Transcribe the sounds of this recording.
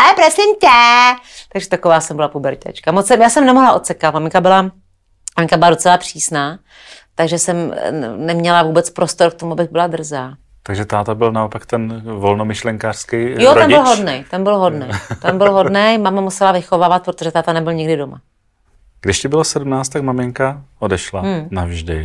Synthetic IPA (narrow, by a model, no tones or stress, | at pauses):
ɛpɾɛsɪmcɛt̪aɡʒɛt̪akovaːsɛmbɪlapubɛɾcɛ̰t͡ʃkamosɛmjaːsɛmnɛmoɦlaʔo̞t̪sɛkat̪mamɪŋkabɪla | mamɪŋkabɪlado̞t͡sɛlapr̝̥iːsnaː | t̪aɡʒɛsɛmnɛmɲɛlavuːbɛt͡spɾʔo̞st̪o̞ɾk̚t̪omuʔabɪɣbɪlad̪r̩zaː | t̪aɡʒɛt̪aːt̪abɪlnaopakt̪ɛnvolnomɪʃlɛŋkaːr̥skɛjjotɾɛnbɪlɦodnɛjt̪ɛnbɪlɦo̞dnɛjt̪ɛnbɪlɦo̞dnɛjmamamusɛlavɪxo̞vaːvat̪̚pɾot̪oʒɛt̪aːt̪anɛbɪlɲɪɡdɪdo̞ma | ɡdɪʃcɪbɪlasɛdumnaːt͡st̪ːakmamɪŋkaʔodɛʃlanavʒdɪ